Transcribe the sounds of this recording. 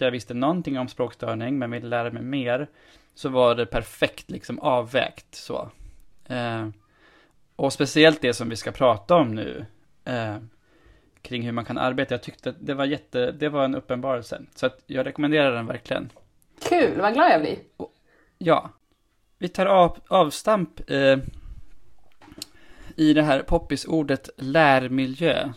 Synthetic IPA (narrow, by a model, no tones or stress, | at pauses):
jɑːɡvɪst̪ənɔnt̪ɪŋːɔmspɾoːkst̪œːɳɪŋmɛnvɪlːəlæːɾamɛjmeːɾ | sɔvaɖɛpʰæɾfɛkt̪lɪksɔmɑːvːɛ̰ːkt̪so̰ː | ɔspɛsɪɛlt̪̚d̪ɛsɔmvɪskapʰɾɑːt̪aɔmnʉ̟̰ː | kʰɾɪŋːhɵɾmankʰanʔa̰ɾbeːt̪ajɑɡ̚t̪ʏk̚t̪əat̪̚d̪ɛvaɾjɛt̪ːəd̪ɛvaɾɛnɵpːənbɑːɾɛlsə̰sɔat̪jɑːɡɾɛkʊmɛnd̪eːɾad̪əd̪ɛnvæ̰ɾklɪɡə̰n | kʰʉ̟ːlvaɡlɑːd̪jablɪ̰ɔ | jɑ̰ː | vɪt̪ʰɑːɾɑɑːvst̪ampɛ | ɪd̪ɛɦæːɾpʰɔpːɪsuːɖət̪læːɾmɪljø̰ː